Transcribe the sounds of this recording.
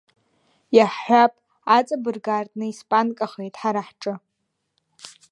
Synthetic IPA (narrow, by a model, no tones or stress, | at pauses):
jaħħʷapʼ | at͡sʼabɨrɡartʼnɨispʼankʼaχejtʼħaɾaħʈ͡ʂʼɨ